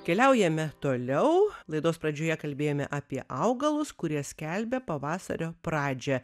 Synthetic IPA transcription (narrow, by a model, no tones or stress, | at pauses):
kʲɛlʲɛʊjɛmʲɛt̪oːlʲɛʊlˠɐɪd̪oːspɾɐd͡ʒʲoːjɛkɐlʲbʲeːjoːmʲɛ̰ʔɑːpʲiɛʔɐʊɡɐlˠʊskʊɾʲiɛsʲkʲɛlʲbʲɛpɐʋɑːsɐ̰ɾʲoːpɾɑːd͡ʒʲɛ